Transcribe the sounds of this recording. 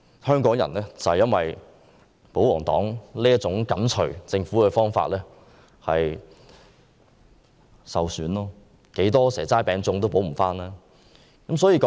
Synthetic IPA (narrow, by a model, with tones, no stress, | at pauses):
hœː˥ŋkɔː˨˥ŋjɐ̰˨˩nlɛː˥t͡sɐ˨hjɐ˥nwɐ˨j | po˨˥wɔː˨˩ŋt̪ɔ̰ː˨˥ŋliː˥jɐ˥t̚t͡sʊ˨˥ŋkɐ˨˥nt͡ʃʰɵ˨˩ɥt͡sɪ˧ŋfu˨˥kɛ˧fɔː˥ŋfa̰ː˧t̚lɛː˥ | hɐ̰˨j | sɐ˨wsyː˨˥nlɔː˥ | ke˨˥jt̪ɔː˥sɛː˨˩t͡saː˥jpɛː˨˧ŋt͡sʊ˧ŋt̪o˥wpo˨˥wm̩˨˩faː˥naː˥ | kɐ˨˥msɔː˨˥jiː˧kɔː˨